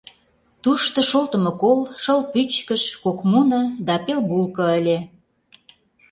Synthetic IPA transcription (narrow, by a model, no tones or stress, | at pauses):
t̪uʃt̪ɤ̆ʃolt̪ə̆mɤ̆kolʃəlpyt͡ɕkəʃkokmunɤ̆d̪ɑpelbulkɤ̆əlʲe